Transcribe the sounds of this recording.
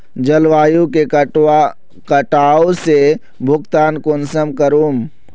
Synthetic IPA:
d͡ʒɐlʋaːjũke | kəʈaːose | bʱʊɡt̪aːnkoːnsəmkəɾuːm

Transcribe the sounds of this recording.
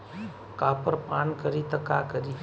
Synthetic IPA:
kaːpəɾpaːnkəɾiːt̪əkaːkəɾi

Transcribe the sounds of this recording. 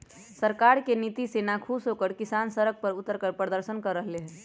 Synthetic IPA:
səɾkaɾkenit̪isenakʰusɦokəɾkɪsansəɾək̚pəɾʊt̪ːəɾkəɾpɾəd̪əɾsənkəɾːəɦleɦɛ

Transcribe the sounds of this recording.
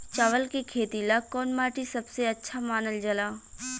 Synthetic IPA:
t͡ʃaːʋəlkekʰeːt̪ilakɔːnmaːʈisɐbseɐtːʃʰamaːnəld͡ʒɐlaː

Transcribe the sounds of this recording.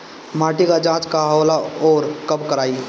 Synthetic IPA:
maːʈikad͡ʒãːt͡ʃkaɦːlaoːɾkəbkəɾaːi

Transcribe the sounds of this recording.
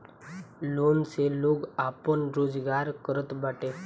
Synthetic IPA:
lonseloɡapəɳɾod͡zɡaɾkəɾət̪baʈe

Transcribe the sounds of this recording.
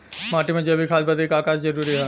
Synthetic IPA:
maːʈimẽd͡ʒebʱikʰaːsbəd̪ikaːkaːt͡ʃd͡ʒɐɾuːɾiɦɛː

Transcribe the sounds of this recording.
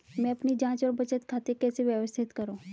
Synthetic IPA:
mɛ̃ɐpnid͡ʑãːt͡ʃəɾbət͡ʃət̪kʰat̪ekɛseʋjəʋəst̪ʰɪt̪kəɾo

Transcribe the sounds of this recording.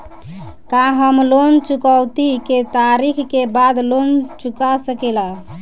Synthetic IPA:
kaɦəmlont͡ʃukəwt̪iket̪aɾikʰkebad̪lont͡ʃukasəkela

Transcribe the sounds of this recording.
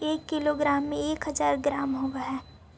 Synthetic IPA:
eːkːɪloɡɾaːmːẽeːkɦɐzaːɾɡɾaːmɦoɡaɦɛː

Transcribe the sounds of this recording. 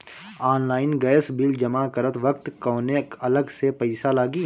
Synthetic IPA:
aːnlaːɪnɡɛːsbild͡ʒɐmakɐɾət̪ʋək̚t̪kɔ̃ːnekɐləɡsepɐɪsalaːɡiː

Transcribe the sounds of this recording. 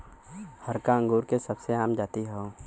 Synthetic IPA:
həɾkaə̃ŋɡuːɾkesəbseaːmd͡ʒaːt̪iɦoː

